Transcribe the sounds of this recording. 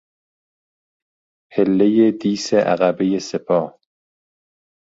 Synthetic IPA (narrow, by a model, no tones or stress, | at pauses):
helːejed̪iːseʔæ̰ɣæbejesepʰɒː